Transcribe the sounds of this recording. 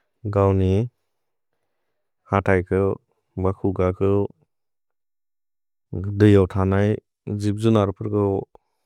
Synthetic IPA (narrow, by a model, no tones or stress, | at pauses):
ɡawni | hatʰajkʰɯ | bakʰuɡakʰɯ | dɯjawtʰanaj | zip̚zunaɾpʰɯɾkɯ